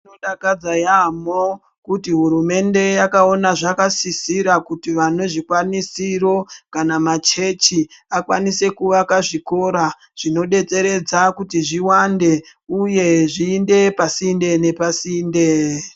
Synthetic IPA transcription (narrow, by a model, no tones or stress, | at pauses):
noɗakad͡zajamo | kutiɦuɾume̞nde̞jakao̞naʐakasisiɾakutiʋano̞ʐikwanisiro̞kanamat͡ʃe̞t͡ʃiakwanise̞kuʋakaʐiko̞ːɾa | ʐ̥ino̞ɗe̞t͡se̞ɾe̞d͡zakutiʐiwande̞ | uje̞ʐiːnde̞pasinde̞ne̞pasiːnde̞